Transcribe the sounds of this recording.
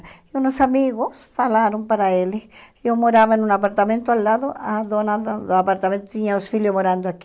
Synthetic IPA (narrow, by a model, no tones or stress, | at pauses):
unosamiɣosfalaɾompaɾaeli | omoɾaβaenũnapaɾt̪amẽnt̪oalːaðoaðonaðaðoapaɾt̪amẽnt̪ot̪iɲaosfiljomoɾand̪oaki